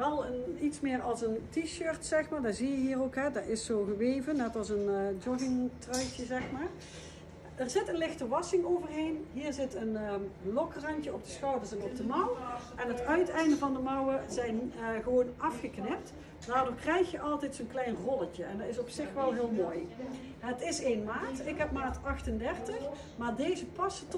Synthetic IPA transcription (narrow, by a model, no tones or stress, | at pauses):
ʋɛlˠənitsmɪːrɑlˠsəntiʃøːɹtsɛxmaːɹdaːzijəɦiːrowkɦɛdaɹɪsːoːɣəʋejvənɛtɑlˠsəndɔɣɪŋtrœjtəzɛxmaːr | ərzɪtənlɪxtəʋɑsɪŋowvərɦejnɦiːɹzɪtənlɔkrɑɲcəɔp̚dəsxɑwvəsɛnɔp̚dəmɑwʔɛnɦətœɥtɛjndəvɑndəmɑwəzɛjnχəʋoːnʔɑfxəknɪp̚t | daːɹdʊːɹkrɛjxjəʔɑlˠtɛjtsoːnklɛjnrɔləcəɛndɑtɪsɔpsɪxʋɛlˠɦɪːlˠmoːj | ɦətɪsejnmaːtɪkɦɛpmaːtɑxtəndɛrtəx | maːɹdejzəpɑsət